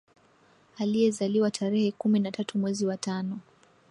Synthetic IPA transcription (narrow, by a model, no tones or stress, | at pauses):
alijɛzaliwatʰaɾɛhɛkuminatatumwɛziwatanɔ